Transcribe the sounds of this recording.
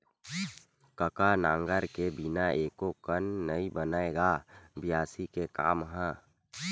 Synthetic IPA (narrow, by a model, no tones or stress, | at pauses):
kəkanãːŋɡəɾkebɪnaeːkokənːəibənaːeɡaːbɪjaːsikeka̰ːmɦɛ̃ː